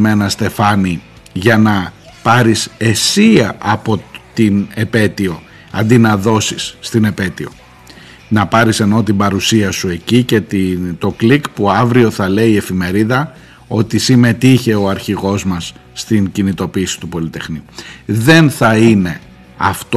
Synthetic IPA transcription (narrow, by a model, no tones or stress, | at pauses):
menɐst̪e̞fɐni | ʝɐnɐ | pɐɾise̞siɐʔɐpo̞t̪ine̞pe̞t̪io̞ | ɐ̰nd̪inɐðo̞sisːt̪ine̞pe̞t̪io̞̰ | nɐpɐɾise̞no̞t̪̬ibɐɾusiɐsue̞cice̞t̪it̪o̞klikpuɐvɾio̞θɐle̞ie̞fime̞ɾiðɐ | o̞t̪isime̞t̪içe̞o̞ɐɾçiɣo̞zmɐsː | t̪iŋcinit̪o̞piːsi̥t̪upo̞lit̪e̞xniuðe̞nθɐine̞ | ɐft̪